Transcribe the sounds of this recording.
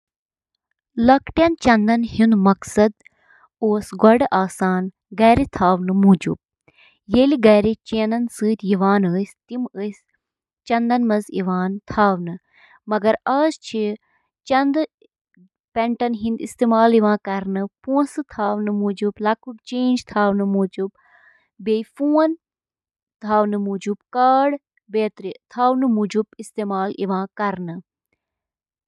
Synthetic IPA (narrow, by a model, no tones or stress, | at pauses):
lɐkʈjɐnt͡ʃɐnd̪ɐnhunmɐksɐd̪ | oːsɡɔɖʔaːsaːn | ɡɐːɾit̪ʰaːʋnɨmuːd͡ʒṵb̚ | jeliɡɐːɾit͡ʃeːnɐnsɨːt̪ʲiʋaːnəːsʲt̪iməsʲ | t͡ʃɐnd̪ɐnmɐzḭʋaːnt̪ʰaːʋnɨ | mɐɡɐɾɐːst͡ʃʰi | t͡ʃɐnd̪ɨ | pɛɳʈɐnɦĩnd̪ist̪eːmaːliʋãːkɐɾnɨpũːsɨt̪ʰaːʋnɨmuːd͡ʒublɐkukt͡ʃeːnd͡ʒt̪ʰaːwnɨmuːd͡ʒub̚ | beːjfuːɐn | t̪ʰaːwnɨmuːd͡ʒubkaːɽ | beːt̪ɾit̪ʰaːwnɨmud͡ʒubist̪eːmaːliʋãːkɐɾnɨ